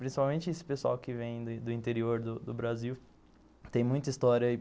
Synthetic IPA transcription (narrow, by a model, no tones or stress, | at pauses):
pɾĩsi̥pawmẽnt͡ʃɪesɪ̥pesua̰wkɪvẽj̃d̪ʊd̪ʊĩnt̪eɾioɾd̪ʊd̪ʊbɾaziw | t̪ẽj̃mũj̃t̪ɐist̪ɔɾjɐi